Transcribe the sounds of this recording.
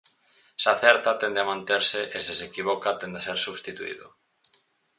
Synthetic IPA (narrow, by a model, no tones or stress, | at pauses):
saθɛɾt̪at̪ɛnd̪eamãnt̪eɾseʔesesekiβokat̪end̪eseɾsuβst̪it̪uḭðo